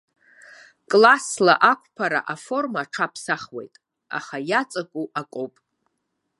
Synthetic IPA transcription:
kʼlasla̰ʔakʷʰʼpʰaɾa̰ʔafo̞rmaʈ͡ʂʰapʰsaχwe̞̰jtʼ | a̰χajat͡sʼakʷʼuʔakʷʼowpʼ

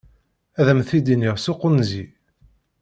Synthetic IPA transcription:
æðəmθid̪iniʁsuqːənzi

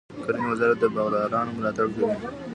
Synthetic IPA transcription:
kəɾinwazɑɾat̪̚d̪əbaɣd̪ɑɾɑnomʊlɑt̪aɽd͡ʒawi

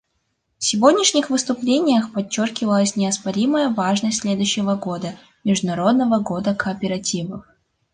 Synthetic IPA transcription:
fsʲɪvod̪ʲnʲɪʂnʲɪxvɨst̪ʊplʲenʲɪjəxpɐt͡ɕːorkʲɪvəlˠəsʲnʲɪɐspɐɾʲiməjəvaʐnəsʲtʲsʲlʲed̪ʊɕːɪvəɡo̞d̪ə | mʲɪʐd̪ʊnɐɾo̞d̪nəvəɡod̪əkəːpʲɪɾɐtʲivə̰f

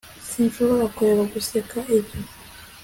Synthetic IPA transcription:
sinfoβoɾakoβakusekaʔepi

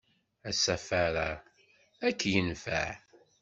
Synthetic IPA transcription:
æsæfæɾa | ækːjənfæ̰ʕ

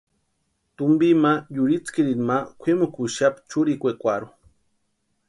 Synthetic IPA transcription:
t̪umbimajuɾit͡skiɾinmakʷʰemokuʃapt͡ʃuɾikʷekʷaɾu

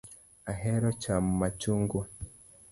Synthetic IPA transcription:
aɦeɾot͡ʃamumat͡ʃuːŋɡu

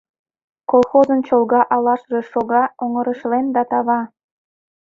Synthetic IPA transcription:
kolˠxozənt͡ɕolɣɑʔɑlɑʃreʃoɣɑoŋəɾəʃlend̪ɑt̪ɑβɑ

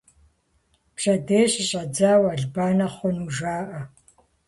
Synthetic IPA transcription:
pɕʼɐdeːɕʼɪɕʼɐd͡zaːwɐɮbaːnɐχʷɔnuʒaːʔɐ

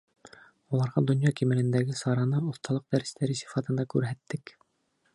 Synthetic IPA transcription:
ulˠɑɾʁɑd̪ŏnjɑkimɘ̆lɘ̆nd̪æɡɘsɑɾɑnɤŏθt̪ɑlˠɤq̚d̪æɾɘ̆st̪æɾɘsi̥fɑt̪ɤ̆nd̪ɑkʉɾɦæt̪ːɘk

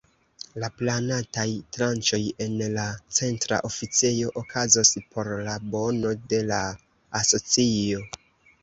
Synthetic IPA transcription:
laplanatajtɾant͡ʃo̞je̞nlat͡se̞ntɾa̰ʔo̞fit͡sejo̞ʔokʰazospʰo̞ɾlabo̞no̞de̞laː | so̞t͡sio̞

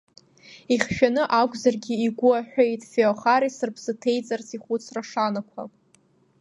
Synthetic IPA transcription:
iχʲʃᶣanɨʔakʷʼzarɡʲiːɡʷʊaħʷᶣejtʼfeoχaɾisɨrbz̥ɨtʰe̞jt͡sʼart͡sʰiχʷut͡sʰraʂanakʷʰa̰

